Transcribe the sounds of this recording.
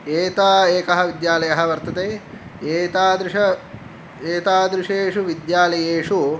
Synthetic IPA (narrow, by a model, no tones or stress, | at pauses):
eːt̪aːeːkɐɦɐ̆ʋid̪jaːlɐjɐɦɐʋɐɾt̪ɐt̪eː | eːt̪aːd̪ɾɪʂɐ | eːt̪aːd̪ɾiʂɐeːʂuʋid̪jaːlɐjeːʂu